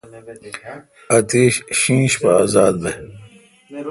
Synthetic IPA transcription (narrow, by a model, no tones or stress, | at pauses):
ɐt̪eːɕɕĩːɕpɐaːzaːd̪̚be